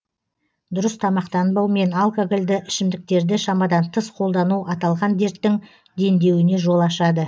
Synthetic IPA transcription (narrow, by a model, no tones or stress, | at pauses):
d̪ʊɾəst̪ʰɑmɑqt̪ɑnbɑwme̞nalˠkoɡɪlʲd̪ɪʔɪʃɪmd̪ɪk̚t̪e̞ɾd̪ɪʃɑmɑd̪ɑnt̪ʰəsqʰo̞lˠd̪ɑnuʔɑt̪ɑlˠʁɑnd̪e̞ɾt̪ːɪŋ | d̪e̞nd̪e̞wɪne̞ʒo̞lˠɑʃɑd̪ə